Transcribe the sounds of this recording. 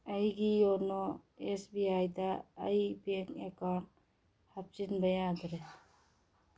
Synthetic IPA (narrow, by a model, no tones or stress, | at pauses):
ɐjɡijɔnɔesbiajd̪a̰ːjbeŋɛkaɳ | hap̚t͡ʃinbɐjad̪ɾɛ